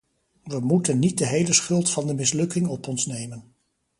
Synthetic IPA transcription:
ʋəmutənːit̚dəɦejləsχɵlˠtfɑndəmɪslɵkɪŋɔpɔnsnejmən

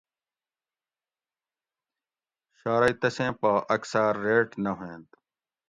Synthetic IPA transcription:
ɕaːɾait̪ɐsẽːpɐʔɐksaɾːeːʈnɐɦẽːnt̪

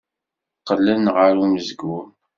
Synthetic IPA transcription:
qːəlːənʁəɾuməzəɡum

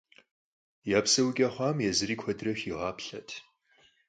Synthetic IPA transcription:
jaːpsɐwkʲʼɐχʷɑːmjɛzɨriːkʷʰɔdrɐɕiʁɑːpʰɬɐtʰ

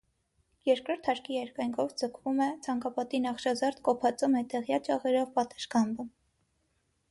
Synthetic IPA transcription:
jɛɾkɾɔɾt̪ʰhɑɾkijɛɾkɑjŋkʰɔvd͡zəkʰvumɛt͡sʰɑŋkɑpɑt̪inɑχʃɑzɑɾt̪kɔpʰɑt͡sumɛt̪ɛʁjɑt͡ʃɑʁɛɾɔvpɑt̪ə̥ʃkɑmbə

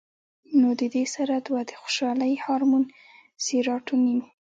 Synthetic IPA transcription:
nod̪əd̪esaɾad̪wad̪əxo̥ʃɑləjhɑɾmun | siɾɑʈunim

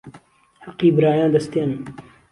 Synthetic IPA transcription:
hɑqːiːbɨɾaːjãːnd̪ɐst̪eːnɨn

